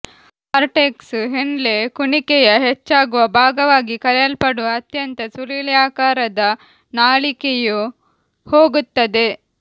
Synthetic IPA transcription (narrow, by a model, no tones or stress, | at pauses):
aɾʈeksɦeɳlekuɳikɛjɐɦet͡ʃːaːɡuʋɐbʱaːɡɐʋaːɡikɐɾɛjɐlpɐɽuɐt̪jɐnt̪ɐsuliːljaːkaːɾɐd̪ɐ | naːɭikeju | hoːɡut̪ːɐd̪e̞